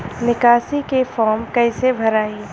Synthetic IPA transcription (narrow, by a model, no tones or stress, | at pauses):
nɪkaːsikefɔːɾmkɐːɪsebʱɐɾaːi